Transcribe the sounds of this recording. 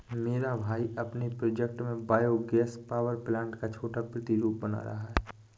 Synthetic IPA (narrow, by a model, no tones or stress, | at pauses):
meːɾabʱaːiɐpnepɾɔːd͡ʒɛk̚ʈmẽbaːjoɡɛːspaːʋəɾplãːɳʈkat͡ʃʰoːʈapɾɪt̪iɾuːp̚bɐna̰ɾɐ̰ɦaɦɛ